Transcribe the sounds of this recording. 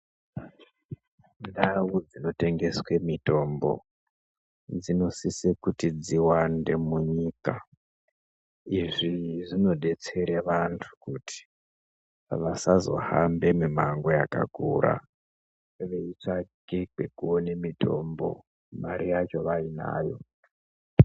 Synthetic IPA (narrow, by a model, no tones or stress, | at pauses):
ndawud͡zino̞te̞ŋɡe̞swe̞mito̞mbo̞̰ | d͡zino̞sisekutid͡ziwande̞muɲiːka | iʐiʐino̞ɗe̞t͡se̞ɾeʋantʰu̥kutʰi̥ | ʋasazo̞̰hambe̞mumaŋɡo̞jaka̰kuɾʔa̰ | ʋe̞it͡ʂake̞ke̞kuone̞mitʰo̞̰mbo̞̰ | maɾijat͡ʃo̞ʋaina̰ːjo̞̰